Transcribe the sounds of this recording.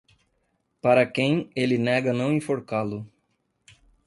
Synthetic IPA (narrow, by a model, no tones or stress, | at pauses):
paɾɐkẽj̃elɪnɛɡɐnɐ̃w̃ĩfoɾkalʊ